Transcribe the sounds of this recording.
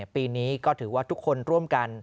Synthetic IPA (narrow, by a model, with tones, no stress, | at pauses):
piː˧niː˦˥kɔː˥˩t̪ʰɯː˩˦waː˥˩t̪ʰu˦˥kʰːo˧nɾu˥˩əmka˧n